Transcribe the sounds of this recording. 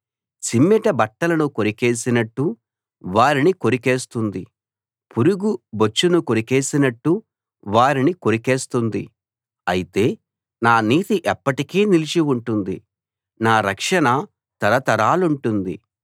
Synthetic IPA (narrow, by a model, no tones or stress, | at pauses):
simːɛʈɐbɐʈːɐlɐnuko̞ɾike̞ːsinɐʈːu | ʋaːɾinikoɾike̞ːst̪und̪i | puɾuɡubot͡ʃːunuko̞ɾike̞ːsinɐʈːu | ʋaːɾiniko̞ɾike̞ːst̪und̪i | ɐjit̪e̞ː | naːniːt̪iʔɛpːɐʈikiːnilit͡ʃiuɳʈund̪ḭ | naːɾɐkʂɐnɐ | t̪ɐɾɐt̪ɐɾaːluɳʈund̪ḭ